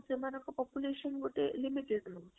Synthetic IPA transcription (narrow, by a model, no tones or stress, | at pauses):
t͡semanakapɔpjuleɕənɡoʈelimiʈeɽno